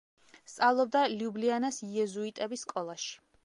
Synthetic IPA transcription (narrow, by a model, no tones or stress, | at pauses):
st̪sʼavlˠɔb̚d̪aliublianasiɛzuit̪ʼɛbisːkʼɔlˠaʃi̥